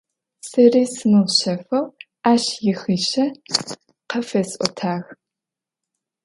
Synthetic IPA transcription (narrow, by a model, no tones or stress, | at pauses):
sɨriːsɨmɨʁɕɐfɐw | aːɕjɪxiːʃɐ | qɐfɐsʔʷɔ̰tʰaːɣ